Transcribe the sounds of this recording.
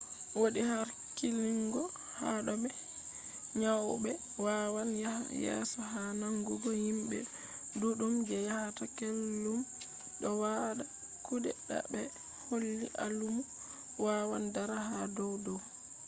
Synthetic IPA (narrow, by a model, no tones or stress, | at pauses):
woɗihaɾ | kiliŋɡɔ | haɗɔbɛ | ɲawbɛ | wawanjjɛ̰sɔɦanaŋɡuɡɔhimbɛ̰ | duɗumd͡ʒɛjahatakelːum | ɗɔwaɗa | kudɛ̰ɗa̰bɛ | holːḭʔalumu | wawandaɾahadɔwdɔw